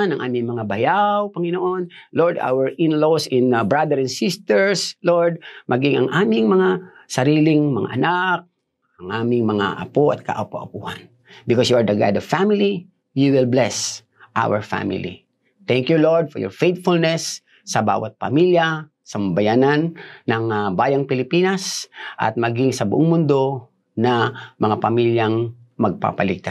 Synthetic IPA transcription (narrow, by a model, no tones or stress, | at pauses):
nɐŋʔa̰ːmɪŋmɐŋabɐjawpɐŋɪnoʔonloɹd̪a̰wəɹɪnlosɪ̃nbɹad̪ɛɾɛ̃nsɪst̪ɛɹsloɹd̪̚mʔɐɡɪŋɐ̰ŋʔaːmɪŋmɐŋa | sɐɾiːlɪŋmɐ̰ŋa̰ʔɐnak̚ | ɐŋʔaːmɪŋmɐŋa̰ʔɐ̰poʔɐt̪̚kɐ̰ʔɐpoʔɐpuːha̰n | bɪkɔsjuaɹd̪ɐɡa̰jd̪ɔv̥famɪli | juwɪlblɛs | ʔa̰wəɹfa̰mɪ̰lḭ | t̪ɛŋkjuloɹd̪̚fɔɹjɔ̰ɹfejt̪̚fʊlnɛsː | ɐba̰ːwʔat̪̚pɐ̰milja | sɐmbɐjananːɐŋbaːjɐŋpɪlɪpinasʔɐ̰t̪̚mɐɡiŋsɐbʊʔoŋmʊnd̪o̞ | nɐmɐŋapɐmiljaŋ | mɐɡ̚pa̰pɐlɪɡ̚t̪a